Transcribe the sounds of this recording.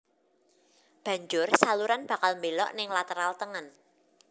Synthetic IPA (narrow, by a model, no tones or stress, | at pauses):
b̥ä̤ɲd͡ʒʊrsaluɾanb̥a̤kalmbelɔ̰ʔnɪŋlat̪əɾalt̪əŋən